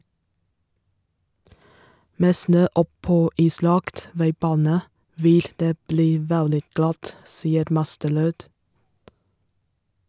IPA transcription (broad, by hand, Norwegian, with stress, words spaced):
ˈmeː ˈsnøː ˈɔˌpoː ˈiːˌslɑkt ˈʋæɪˌbɑːnə ˈʋɪl ˈdeː ˈbliː ˈʋɛldɪ ˈɡlɑt ˈsiːəɾ ˈmɑstəˌɾøːd